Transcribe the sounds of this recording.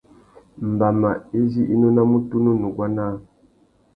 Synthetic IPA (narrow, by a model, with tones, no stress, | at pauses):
m˨ba˨ma˨e˦zi˦ʔi˦no˦na˦mu˦tu˦nu˦nu˨ɡwa˦na˦